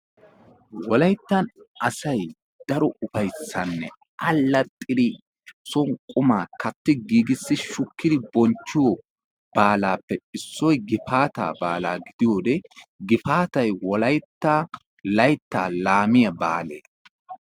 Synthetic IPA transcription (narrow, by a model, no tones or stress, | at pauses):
wɔlɐjt̪ːɐnɐsɐj | d̪̥ɐɾɔʊfɐjsːɐnːɛ | ʔɐlːɐt̪ʼːɪɾɪ | sɔŋkʼʊmaːkɐt̪ːɪɡiːɡɪsːɪʃʊkːɪd̪ɪbɔnt͡ʃːɪjɔ | b̥aːlaːpːɛsːɔjɡɪfaːt̪a̰ːbaːla̰ːɡɪd̪ɪjoːd̪ɛɡɪfaːt̪ɐjwɔlɐjt̪ːa | lɐjt̪ːaːlaːmɪjɐba̰ːlḛː